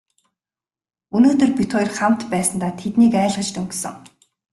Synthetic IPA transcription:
unoːt̪ɵ̆rpʲit̪χoːjrχam̥t̪pæːsə̆nt̪aːt̪ʰet̪niːkæːɮʁə̆t͡ɕt̪ʰɵŋɡsɘ̆ŋ

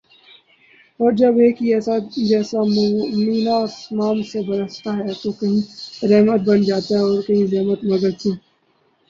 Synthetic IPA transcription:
ɔːɾd͡ʒɐbɦeːkiɛːsaɛːsammiːnasmaːmsebɐɾəst̪aɦɛt̪okɐɦĩɾɛɦmət̪̚bɐnd͡ʒaːt̪aɦɛɔːɾkɐɦĩzɛːmət̪mɐɡəd̪tʰĩː

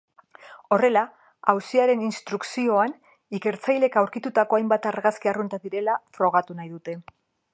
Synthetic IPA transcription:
o̞re̞la | awsiaɾe̞ninst̪ɾuksio̞an | ike̞ɾt͡sajle̞kawɾkit̪ut̪ako̞ajmbat̪aɾɣaskiarunt̪aðiɾe̞lafɾo̞ɣ̞at̪unajðut̪e̞

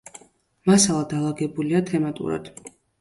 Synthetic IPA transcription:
masalˠad̪alˠaɡɛbuliat̪ʰɛmat̪ʼṵɾa̰d̪̥

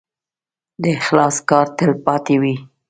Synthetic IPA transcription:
d̪əɪxlɑskɑɾt̪əlpɑt̪ewi

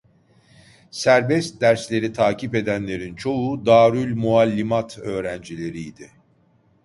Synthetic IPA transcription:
sæɾbɛst̪̚d̪æɾslʲe̞ɾit̪ʰaːcʰipe̞d̪ænlʲe̞ɾint͡ʃʰo̞ud̪aːɾylʲmualʲːimat̪ʰøːɾænd͡ʒilʲe̞ɾijːd̪ɪ

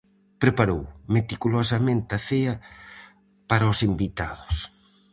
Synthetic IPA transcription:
pɾepaɾo̰wmet̪ikulosɐmẽnt̪ɐθeɐ | paɾɐʊsimbit̪aðʊs

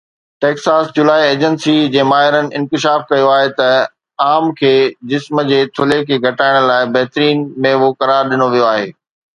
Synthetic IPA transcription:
ʈeːksaːsd͡ʑʊlaːieːd͡ʑənsid͡ʑeːmaːɦɪɾənɪ̆ɪ̃nkɪʃaːfkɐjoaːɦet̪ɐ | aːmkʰeːd͡ʑɪsməd͡ʑeːt̪ʰʊlekʰeːɡʱɐʈaːɪɽ̃laːɪbɐɦɪt̪ɾiːnmẽɦokɐɾaːɾɗɪnoʋijoaːɦeː

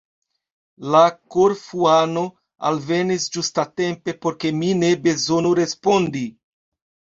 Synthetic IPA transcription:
lakoɾfuano̞ | a̰lve̞nisd͡ʒustate̞mpe̞po̞ɾke̞mine̞be̞zo̞nuɾe̞spo̞ndi

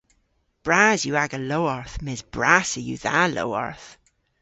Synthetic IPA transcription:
b̥ɹazjəaɡəloʊəɹθmɪsb̥ɹasəjṵðalo̰ʊə̰ɹθ

